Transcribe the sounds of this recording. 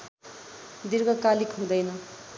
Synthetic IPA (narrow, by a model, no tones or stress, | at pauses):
d̪iɾɡʌkalikʰɦũd̪ʌjnʌ